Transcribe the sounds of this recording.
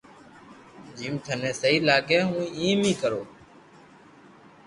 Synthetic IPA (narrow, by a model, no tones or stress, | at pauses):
d͡ʒiːmt̪ʰənẽːsəɦiːlaːkeːɦũːĩːmĩːkəɾoː